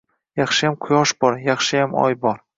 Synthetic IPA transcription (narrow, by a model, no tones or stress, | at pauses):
jɑχʃɪjamqʰʊjɒʃbɒɾjɑχʃɪjamɒ̰jbɒɾ